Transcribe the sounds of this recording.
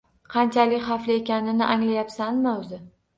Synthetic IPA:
qʰɑnt͡ʃʰalɪkʲχɑflɪe̞kʲanɪnɪʔaŋlajapsanmaɵzɪ

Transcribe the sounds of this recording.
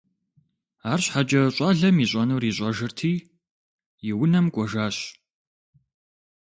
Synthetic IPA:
aːrɕħad͡ʒɐɕʼɑːɮɐmiɕʼɐnuːriːɕʼɐʒɨrtʰiː | jɪwnɐmkʷʼɔʒaːɕ

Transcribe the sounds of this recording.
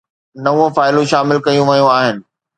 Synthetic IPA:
nɐʋõfaːɪlũʃaːmɪlkɐjũʋɐijũaːɦɪnɪ̆

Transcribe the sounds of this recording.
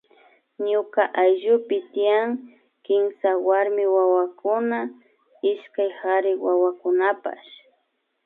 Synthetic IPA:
ɲʊkaʔajʒʊpɪt̪ɪjaŋ | kɪmsawaɾmɪwawakʊna | ɪʃkajhaɾɪwawakʊnapa̰ʃ

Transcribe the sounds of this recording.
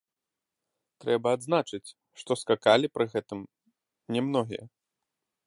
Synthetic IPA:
t̪ɾɛbɐːd̪znat͡ʂɨt͡sʲ | ʂt̪ɔskakalʲipɾɨɣɛt̪ɨm | nʲɛmnɔɣʲḭjɐ̰

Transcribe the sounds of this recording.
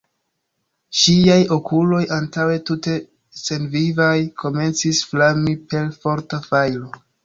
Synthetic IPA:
ʃiajo̞kulo̞jʔantawe̞tute̞ | se̞nvivajkʰo̞me̞nt͡sisflamipe̞lfo̞ɾtafajlo̞

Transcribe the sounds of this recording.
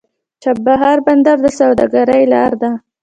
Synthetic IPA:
t͡ʃab̚ːaɦaɾband̪aɾd̪əsawd̪a̰ɡaɾajlaːɾd̪a

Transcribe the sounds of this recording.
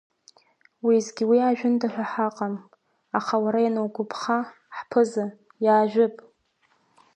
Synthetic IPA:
wizɡʲiwiaʒᶣʊndaħʷᶣaħaqʼam | aχawaɾajanɨwɡʷʊpʰχa | ħpʰɨza | jaːʒʷᶣʊpʼ

